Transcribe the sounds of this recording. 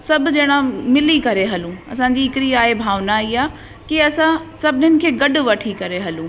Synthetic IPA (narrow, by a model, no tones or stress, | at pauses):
sɐbʱd͡ʑɐɪɽ̃amɪlikɐɾeɦɐlũɐ̰sãɲ̆d͡ʑiɪkɪɾiaːɦebʱaːʋnaiaː | kiɐsãsɐbʱɪnɪnɪ̆kʰeːɡɐɖʊ̆ʋɐʈʰikɐɾeɦɐlũː